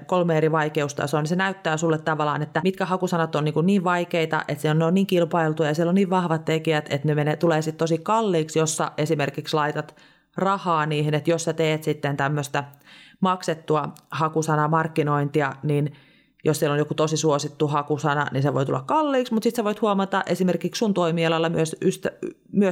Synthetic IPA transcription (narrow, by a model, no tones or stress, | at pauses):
kolmeːriʋɑikeust̪ɑ̰soːnisenæyt̪ːæːsulːet̪t̪ɑʋɑlɑ̰ːnet̪ːæmit̪kæhɑkusɑnɑt̪ːonniːŋkunniːʋʋɑikeit̪ɑ̰ʔet̪sieloneonniːŋkilpɑilt̪ujɑjɑsieloniːʋʋɑhʋɑt̪t̪ekiæt̪ḛt̪nemenet̪uleːsit̪t̪osikɑlːiːksjosːɑ̰ʔesimerkikslɑit̪ɑt̪ | rɑhɑːniːhinet̪jossɑt̪eːt̪sit̪ːent̪æmːøst̪æmɑkset̪ːuɑhɑkusɑnɑmɑrkːinoint̪iɑnin | jossielonjokut̪osisuosit̪ːuhɑkusɑnɑ̰ninseʋo̰it̪ulːɑkkɑlːiːksmut̪sit̪seʋoit̪huomɑt̪ɑʔesimerkikssunt̪oimiːɑlɑlːɑmyøsyst̪æ | myø